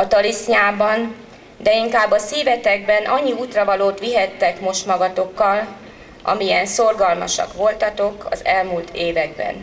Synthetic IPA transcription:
ɒt̪ɒlisɲaːbɒn | d̪ɛiŋkaːbːɒsiːvɛt̪ɛɡ̚bɛnʔɒɲːiuːt̪rɒvɒloːt̪ʋiɦɛt̪ːɛkmo̞ʃt̪mɒɡɒt̪o̞kːɒl | ɒ̰mijɛnso̞rɡɒlmɒ̰ʃɒ̰kʋo̞lt̪ɒt̪o̞kɒ̰zɛlmult̪ʰeːvɛɡ̚bɛ̰n

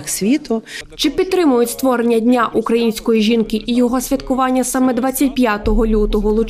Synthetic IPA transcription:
xsʲʋʲit̪ʊt͡ʃɪpʲid̪t̪t̪ːɾɪmʊjʊtʲst̪ʋɔɾenʲːɐdʲnʲaʔukɾɐjinʲsʲkɔjiʒʲinkɪʔijɔɦɔsʲʋʲit̪kʊʋɑnʲːɐsɑmɛd̪ʋɑt͡sʲːɐtʲpʲjat̪ɔɦɔlʲut̪ɔɦɔlˠʊt͡ʃ

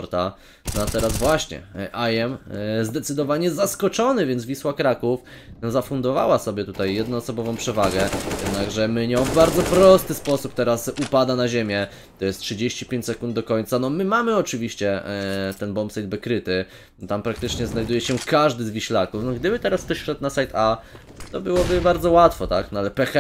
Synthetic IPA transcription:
ɾt̪a | nat̪ɛɾazvwaɕɲɛ̰ʔajɛmzd̪ɛt̪sɘd̪ɔvaɲɛzaskɔt͡ʂɔnɘvʲjɛnd̪vʲiswakɾakuf | nɔzafund̪ɔva̰wasɔbʲjɛt̪ut̪ajːɛd̪nɔ̃ɔsɔbɔvɔ̃w̃pʂɛvaɡɛjɛd̪naɡʐɛmɘɲɔ̃vbaɾd̪zɔpɾɔst̪ɘspɔsup̚t̪ɛɾasupad̪anaʑemʲjɛ | t̪ɔjɛst̪tʂɘd͡ʑeɕt͡ɕi̥pʲjẽɲt͡ɕʲsɛkund̪̚d̪ɔkɔɲʲt̪sanɔmɘmamɘɔt͡ʂɘvʲiɕt͡ɕɛt̪ɛnbɔmpsajd̪̚bɛkɾɘt̪ɘ | t̪ampɾak̚t̪ɘt͡ʂɲɛznajd̪ujɛɕɛkaʐd̪ɘzvʲiɕlakufnɔɡd̪ɘbɘt̪ɛɾaspɛɕʂɛt̪nasajt̪ʰa | t̪ɔbɘwɔbɘbaɾdzɔwat̪fɔt̪aknɔalɛpɛxɛ

